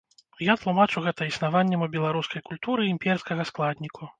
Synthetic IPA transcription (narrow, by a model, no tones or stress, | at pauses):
jat̪lˠumat͡ʂuɣɛt̪ɐisnavanʲːɛmubʲɛlˠaɾuskɐjkulʲt̪uɾɨimʲpʲɛrskɐɣɐsklˠad̪ʲnʲikʰu